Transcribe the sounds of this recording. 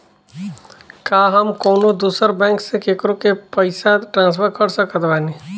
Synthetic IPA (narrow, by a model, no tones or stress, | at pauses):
kaːɦəmkoːnõd̪uːsəɾbɛ̃ːŋksẽkekɾõkepəɪsaʈɾãːns̬pʰəɾkəɾsəkət̪bɛːni